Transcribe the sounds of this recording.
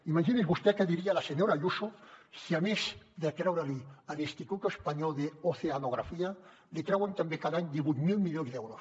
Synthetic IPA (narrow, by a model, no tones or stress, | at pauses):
imaʝinezβust̪ekeðiɾialaseɲoɾaʎusosiamesd̪ak̪ɾawɾalianest̪ikuk̪oespaɲolðeoθeanoɣ̞ɾafia | let̪ɾawant̪ambekaðaɲd̪eβumilmiʎjonzðeewɾos